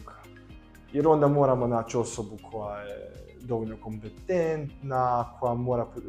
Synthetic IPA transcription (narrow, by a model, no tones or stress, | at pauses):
iɾɔnd̪amɔɾamɐnat͡ʃɔsɔbukʰwa | d̪ɔwnɔkɔmpɛt̪ːɛnt̪nakʰwamɔɾap